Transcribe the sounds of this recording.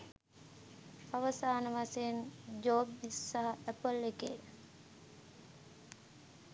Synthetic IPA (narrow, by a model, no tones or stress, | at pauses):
aʋəsaːnəʋasend͡ʒoːbisːaɦɐæpəlekḛː